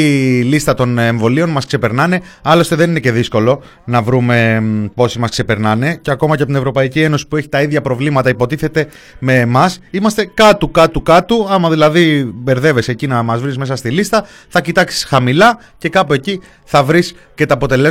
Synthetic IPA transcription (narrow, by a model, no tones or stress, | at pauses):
ilist̪ɐt̪o̞neɱvo̞lio̞nmɐskse̞pe̞ɾnɐne̞ | ɐlo̞st̪eðe̞nine̞ce̞ðisko̞lo̞ | nɐvɾume̞po̞simɐskse̞pe̞ɾnɐne̞ceɐko̞mɐceɐpot̪inevɾo̞pɐicie̞no̞si̥pue̞çi̥t̪ɐiðʝɐpɾo̞vlimɐt̪ɐipo̞t̪iθe̞t̪e̞ | me̞mɐsimɐst̪e̞kɐt̪ukɐt̪ukɐt̪uɐmɐðilɐðibe̞ɾðe̞ve̞se̞cinɐmɐzvɾizme̞sɐst̪ilist̪ɐ | θɐcit̪ɐksi̥sxɐmilɐ | ce̞kɐpue̞ci | θɐvɾis | ce̞t̪ɐːpo̞t̪e̞le̞